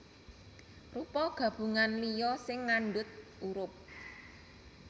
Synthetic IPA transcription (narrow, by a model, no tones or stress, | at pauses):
rupɔɡ̥ä̤b̥ṳŋanlijɔsɪŋːanɖʊt̪̚uɾʊp̚